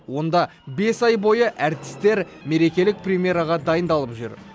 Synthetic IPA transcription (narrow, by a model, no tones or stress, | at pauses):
wo̞nd̪ɑ | be̞sɑjbo̞jəʔæɾt̪ɪ̥st̪e̞ɾ | me̞ɾe̞kʲe̞lɪk̚prʲemʲje̞ɾɑʁɑd̪ɑjənd̪ɑlˠəpʒʏ̰ɾ